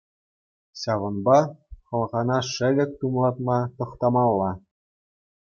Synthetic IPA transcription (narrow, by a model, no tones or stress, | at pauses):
ɕɑʋɤ̆nbɑχɤ̆lˠʁɑnɑʂɘ̆lʲɘ̆k̚ʲt̪umlˠɑt̪mɑt̪ɤ̆χt̪ɑmɑlˠːɑ